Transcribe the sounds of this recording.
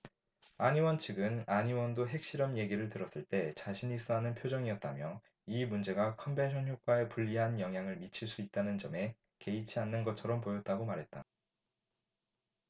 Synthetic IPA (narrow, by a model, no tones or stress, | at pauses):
aɲiwʌnt͡ɕʰɯɡɯnaɲiwʌndoɦe̞k̚ɕ͈iɾʌmje̞ɡiɾɯɭtɯɾʌs͈ɯɭt͈e̞t͡ɕaɕʰiɲis͈ʌɦanɯnpʰjod͡ʑʌŋiʌt̚t͈amjʌ | imund͡ʑe̞ɡakʰʌmbe̞nɕʰʌnçjok͈wae̞puʎːiɦanjʌŋɦjaŋɯɭmit͡ɕʰiɭs͈uit̚t͈anɯnd͡ʑʌme̞ | ke̞it͡ɕʰianːɯnɡʌt͡ɕʰʌɾʌmpojʌt̚t͈aɡomaɾɦe̞t̚t͈a